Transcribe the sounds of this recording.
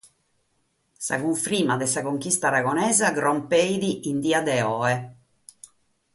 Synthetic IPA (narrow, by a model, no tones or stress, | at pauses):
sa̰ɣuɱfɾiːmad̪ɛsaɣoŋkist̪aɾaɣɔnɛːzaɡɾɔmpejðiʔind̪iːad̪ɛɔːɛ